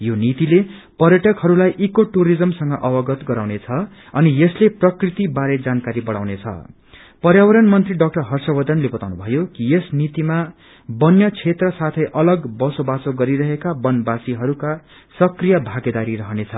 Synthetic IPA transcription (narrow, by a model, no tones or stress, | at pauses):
jonit̪ilepʌɾjʌʈʌkhʌɾulajʔikoʈuɾid͡zʌmsʌŋɡʌʔʌbʌɡʌt̪ɡʌɾawnet͡sʰʌ | ʌnijʌsleprʌkrit̪ibaɾed͡zankaɾibʌɽa̰wnet͡sʰʌ̰ | pʌɾjawʌɾʌnmʌnt̪riɖʌk̚ʈʌrɦʌrsʌbʌd̪ʱʌnlebʌt̪awnubʱʌjokijesnit̪ima | bʌnjʌt͡sʰet̪rʌsat̪ʰʌjʔʌlʌɡbʌsobasoɡʌɾiɾʌɦekabʌnbasiɦʌɾuka | sʌkrijʌbʱaɡed̪aɾiɾʌɦʌnet͡sʰʌ